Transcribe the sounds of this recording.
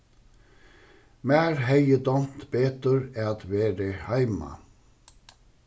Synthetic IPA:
mæːɾhæɪəd̪ɔnt̪beːt̪əɾæːɑt̪ʋeːɾəhɑɪmɑ̰

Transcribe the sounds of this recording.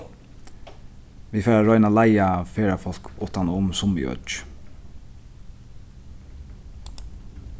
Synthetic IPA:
ʋifɛːɹaɹɔʏnalajafeːɹafɔl̥kʊht̪anʊmsʊmḭœ̰t͡ʃ

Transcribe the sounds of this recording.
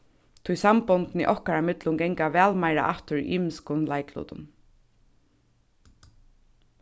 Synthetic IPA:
t̪ʰʊjsampɔnt̪nḭʔɔhkaɾamɪt̪lʊŋɡɛŋkaʋɛːlmajɾa̰ʔaft̪ʊɹ̰ʔiːmɪskʊnlaɪkʰlṵːt̪ʊ̰n

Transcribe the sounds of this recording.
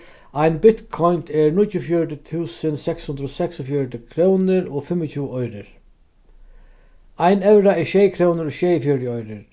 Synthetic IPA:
ajnbɪt̪kʰɔjnt̪ʰɛɹnʊtjʊfjɔɹt̪ət̪ʰuːsənsɛkshʉnd̪ɾɔːsɛksɔfjɔɹt̪ɪkʰɾownɪɾɔfɪmɪt͡ɕʰuːɔjɾɪɾ | ajnɛwɾaɪʃɛːjkʰɾownɪɾɔːʃɛːjfjɔɹt̪əɔjɾɪɾ

